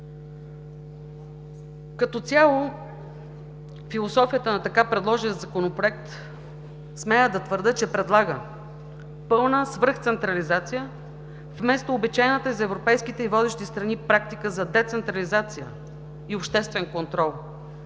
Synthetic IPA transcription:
kɐt̪ɔt̪sʲjalˠo | filˠosɔfijət̪ənɐt̪ɐkapɾɛd̪lˠɔʒiət̪zɐkonopɾoɛk̚t̪ | smɛjəd̪ɐt̪vəɾd̪ɤt͡ʃɛpɾɛd̪lˠaɡə | pɤlˠnəsvəɾxt̪sɛnt̪ɾɐlizat̪sijə | vmɛst̪oːbit͡ʃajnət̪əizɛvɾopɛjskit̪ɛivɔd̪ɛʃt̪ist̪ɾɐnipɾak̚t̪ikəzɐd̪ɛt̪sɛnt̪ɾɐlizat̪sijə̰ | iopʃt̪ɛst̪vɛnkont̪ɾɔlˠ

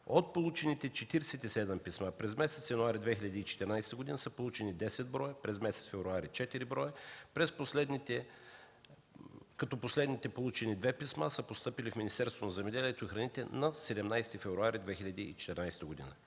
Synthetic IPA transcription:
ot̪̚polˠut͡ʃɛnit̪ɛt͡ʃɛt̪iɾɛsɛt̪isɛd̪ɛmpismapɾɛzmɛsɛt̪sjɐnuaɾid̪vɛxilʲɐd̪iːt͡ʃɛ̥t̪ɛɾnajsɛt̪əɡʊd̪inəsəpolˠut͡ʃɛnid̪ɛsɛd̪̚bɾɔjəpɾɛzmɛsɛ̥t̪fɛvɾuaɾit͡ʃɛt̪iɾibɾɔjəpɾɛsposlɛd̪nit̪ɛ | kɐt̪ɔposlɛd̪nit̪ɛpolˠut͡ʃɛnid̪vɛpismasəpost̪ɤpilifminist̪ɛɾst̪vonɐzɛmɛd̪ɛliɛt̪oixɾɐnit̪ɛ̰nɐsɛd̪ɛmnajst̪ifɛvɾuaɾid̪vɛxilʲɐd̪iːt͡ʃɛ̥t̪ɛɾnajst̪əɡod̪ḭnə̰

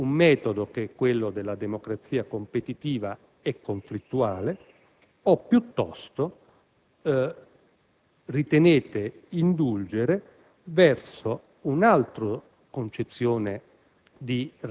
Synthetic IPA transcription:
umːɛːt̪od̪okekːwelːod̪elːad̪emokɾat̪sːiːakompet̪it̪iːva | ɛkːoɱflit̪ːuaːle | opːjut̪ːɔ̰st̪o | rit̪eneːt̪eind̪uld͡ʒeɾe | vɛrso | unalt̪ɾo | kont͡ʃet̪sːjoːne | d̪i

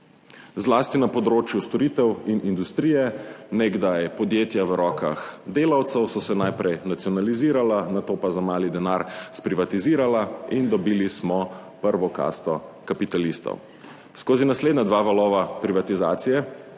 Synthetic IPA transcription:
zlaːst̪inapɔd̪ɾoːt͡ʃjust̪ɔɾit̪ɛwinʔind̪ust̪ɾiːjɛneɡd̪ajɛpɔd̪jeːt̪jaʋəɾʔɔːka̰xd̪eːlawt̪sɛwsɔsɛnajpɾɛjnat̪sijɔnaliziːɾalanat̪oːpazamaːlid̪ɛnaːɾspɾiʋat̪iziːɾalaind̪ɔbiːlismɔ | pəɾʋɔka̰st̪ɔkapit̪alist̪ɔ̰w | skoːzinasleːd̪nad̪ʋaːʋalɔːʋapɾiʋat̪iza̰ːt̪sijɛ

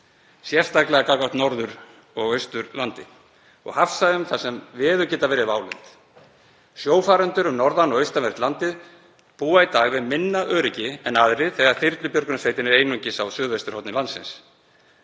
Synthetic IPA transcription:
sjɛr̥st̪aklɛɣakakaht̪nɔɾðʏɾ | ɔɣœɥst̪ʏɾlant̪ɪ | ɔ̰ɣhafsaðʏmθasɛmvɛːðʏcɛːt̪avɛːɾɪvaːwlʏnt̪ | sjoːwfaːɾʏnt̪ʏɾʏmnɔɾðanɔɣœɥst̪amvɛr̥t̪lant̪ɪð | puːait̪aːɣvɪðmɪnːaʔœːɾɪcɪɛnaðɾɪðθɛɣaɾ̥θɪɾt̪lʏpjœɾkʏnasveːjt̪ɪnɛɾejnuɲcɪsawsʏːðvest̪ʏɾ̥hɔwt̪nɪlant̪sɪ̰ns

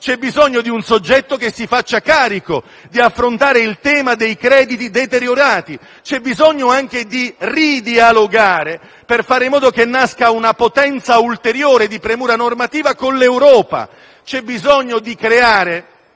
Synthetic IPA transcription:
t͡ʃɛbːizɔɲːod̪iunsod͡ʒːɛt̪ːokesːifat͡ʃːakaːɾiko | d̪iafːɾont̪aːɾeilt̪ɛːmad̪ejkɾɛːd̪it̪id̪et̪eɾjoɾaːt̪i | t͡ʃɛbizɔɲːoaŋk̟ed̪irid̪ialoɡaːɾe | perfaːɾɪmːɔːd̪okenːaskaunapot̪ɛnt̪sault̪eɾjoːɾed̪ipɾemuːɾanormat̪iːvakonlewɾɔːpa̰ | t͡ʃɛbːizɔɲːod̪ikɾeaːɾe

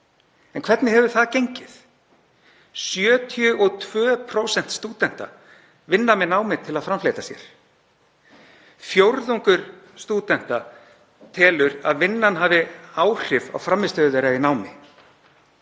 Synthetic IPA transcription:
ɛnkʰv̥ɛt̪nɪɦɛvʏɾθaðcejɲcɪθ | sjœːt̪ʰijʏʔɔɣt̪ʰv̥œːpʰɾowsɛn̥t̪st̪uːt̪ɛn̥t̪a̰ | vɪnːamɛnaːwmɪt̪ʰɪlaðfɾamflejt̪asjɛ̰ɾ̥ | fjowɾðuŋkʏɾ̥ | st̪uːt̪ɛn̥t̪a | t̪ʰɛːlʏɾa̰ðvɪnːanɦaːvɪaːwr̥ɪva̰wfɾamːɪst̪œːðveɾainaːwmɪ

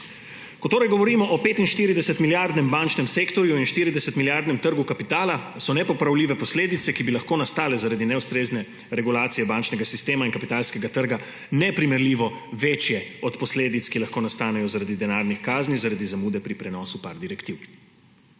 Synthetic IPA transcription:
kɔt̪oːɾajɡɔʋɔɾiːmɔʔɔpeːt̪inʃt̪iɾid̪ɛsɛt̪miljaɾd̪nɛmbaːnt͡ʃnɛmseːkt̪ɔɾjuinʃt̪iɾid̪ɛsɛt̪miljaɾd̪nɛmt̪əɾɡukapit̪aːlasɔnɛpɔpɾawliːʋɛpɔsleːd̪it̪sɛkibilaxkoːnast̪aːlɛzaɾad̪inɛust̪ɾeːznɛ | ɾɛɡulaːt̪sijɛbant͡ʃnɛɡasist̪eːmainkapit̪aːlskɛɡat̪əɾɡa | nɛpɾimɛɾliːʋɔʋeːt͡ʃjɛɔt̪pɔsleːd̪it̪skilaxkoːnast̪aːnɛjɔzaɾad̪id̪ɛnaːɾnixkaːznizaɾad̪izamuːd̪ɛpɾipɾɛnɔːsupaɾd̪iɾɛkt̪iw

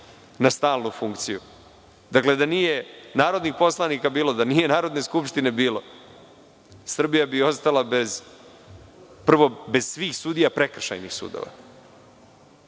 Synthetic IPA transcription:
nast̪aːlˠnufuŋkt̪siju | d̪akle̞d̪anije̞naːɾo̞d̪nixpo̞slˠanikabiːlo̞d̪anije̞naːɾo̞d̪ne̞skupʂt̪ine̞biːlo̞ | sr̩bijabio̞st̪alabez | pr̩ʋo̞be̞z̥sʋiːxsud̪ijapɾekr̩ʃa̰jnixsṵːd̪o̰ʋa̰

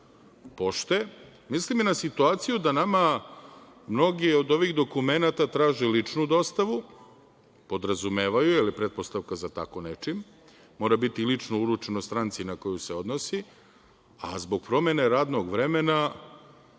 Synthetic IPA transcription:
po̞ʃt̪e | misliminasit̪uaːt̪sijud̪anama | mno̞ɡio̞d̪o̞ʋiɣd̪o̞kume̞nat̪at̪ɾaːʒelit͡ʂnud̪o̞st̪aʋu | po̞d̪ɾazume̞ːʋajuilipɾet̪̚post̪aʋkazat̪a̰konet͡ʂimː | o̞ːɾabit̪ilit͡ʂnouɾut͡ʃenost̪ɾant̪sinako̞juse̞o̞d̪nosi | a̰zbo̞ɡ̥̚pɾo̞me̞ne̞ɾaːd̪no̞ɡʋɾe̞mena

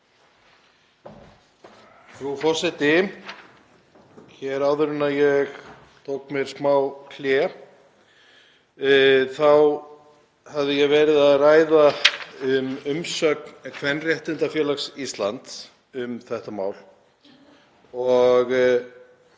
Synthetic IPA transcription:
θɾufɔ̥sɛt̪ɪ | çɛɾaːwðʏɾʏnaðjɛɣ | t̪ʰowkmjɛɾ̥smaːwkʰljɛ | θaw | havðɪjɛɣvɛːɾɪðaðraːjðaʏmʏmsœːknkʰvɛnːrjɛht̪ʏnt̪afjɛːlaksist̪lant̪ | ʏmθɛht̪ama̰ːwl | ɔɣ

